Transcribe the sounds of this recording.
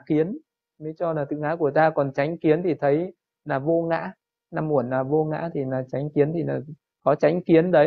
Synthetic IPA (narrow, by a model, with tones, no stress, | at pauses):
xi˨˦ən | mə˨˦t͡ɕɔ˧laː˨˩t̪ʰɨ̰˧˨ŋa̰ː˧˥ku˧˩ət̪aː˧kɔ˨˩nt͡ɕa˨˦jŋ̟ki˨˦ənt̪ʰi˨˩t̪ʰə˨˦j | naː˨˩vo˧ŋa̰ː˧˥ | na˧˩mːu˧˩ənːaː˨˩vo˧ŋa̰ː˧˥t̪ʰi˨˩naː˨˩t͡ɕa˨˦jŋ̟ki˨˦ənt̪ʰi˨˩naː˨˩ | kɔ˨˦t͡ɕa˨˦jŋ̟xi˨˦ənɗə˨˦